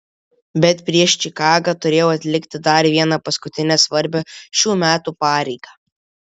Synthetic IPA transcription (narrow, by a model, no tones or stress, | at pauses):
bʲɛt̪pʲɾʲiɛʃt͡ʃʲɪkɑːɡɐt̪ʊɾʲeːjoːɐt̪ʲlʲɪkʲt̪ʲɪd̪ɐɾʋʲiɛnɑpɐskʊt̪ʲɪnʲɛsʋɐɾʲbʲoʃʲuːmʲæːt̪uːpɑːɾʲɛɪɡ̥ɑː